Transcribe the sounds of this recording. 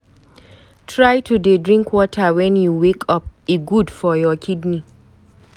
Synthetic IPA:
tʰɹajtʰudedɹĩŋkʰwɔtʰawɛ̃njuwekʰɔp̚iɡudfɔjɔkʰidni

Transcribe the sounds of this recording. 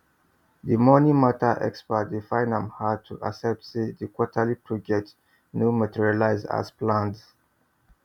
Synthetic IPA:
dimɔnimatʰaʔɛ̰kspət̚difãɪ̃nə̃mhatʰuʔa̰sɛp̚tsidikwɔtʰalipʰud͡ʒɛt | njumatʰiɹialaɪza̰zplãnds

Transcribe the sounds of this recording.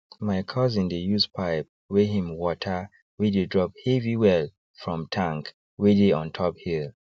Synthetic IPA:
maɪkʰɔzĩndəjuspʰaɪp̚ | weɦĩmwɔtʰə | widedɹɔp̚heviwɛl | fɹɔ̃mtʰãŋk | wedeɔ̃ntʰɔphil

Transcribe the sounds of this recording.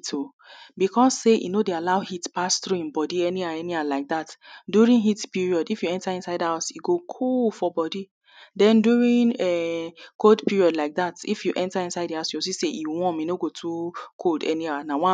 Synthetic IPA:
tʰo | bikɔsseʔḭnodealaʊhitpastɾuĩmbɔdiɛniaɛnialaɪk̚datduɹĩnɦitpiɹiɔdifjuɛ̃ntaĩnsaɪdhaʊsjuɡokʰolfɔbɔdi | dɛ̃ndjuɹĩnɛkoldpiɹiɔdlaɪk̚ðatḭfjuʔɛ̃ntaĩnsaɪdiaʊsjuosiseʔiwɔ̃minoɡotʰukʰoldɛ̰nianawɔ̃

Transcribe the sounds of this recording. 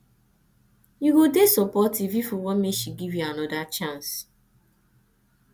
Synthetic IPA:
juɡudesɔpɔtivifɔwɔnmeʃiɡivjuanɔdat͡ʃãns

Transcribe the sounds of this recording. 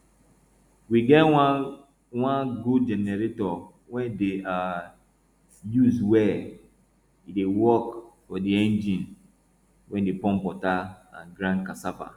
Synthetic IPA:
wiɡɛt | wãnɡudd͡ʒɛnɛɾetɔ | wɛdea | juzdwɛ | idewɔkfɔdiɛ̃nd͡ʒĩn | wʔɛ̃ndepɔ̃mpɔtaã̰nɡɾãnkasafa̰

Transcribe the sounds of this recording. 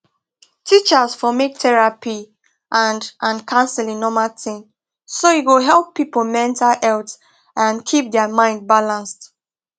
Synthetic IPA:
tʰit͡ʃəsfɔmek̚tʰɛɹapi | ʔãndʔãnkʰãnsəlĩŋnɔmaltɪ̃ŋ | sojiwəɦɛlpːipol̩mɛ̃ntʰalhɛlt | ʔãnkʰip̚dɛəmãɪ̃nd̚balãnst

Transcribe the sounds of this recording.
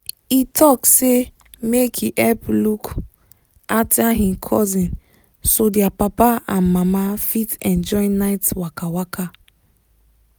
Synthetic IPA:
itʰɔkse | mekʰiʔɛpluk | ataɦĩmkʰɔzĩn | sodiapapaãnmamafitɛ̃nd͡ʒɔĩnaɪtwakawaka

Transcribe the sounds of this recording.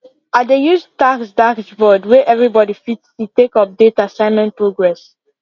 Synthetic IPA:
at̚dejuztaksdaksvɔdwɛʔɛvɹibɔɾifitstutekɔp̚detaasãɪ̃nmɛ̃nt̚pɹoɡɹɛs

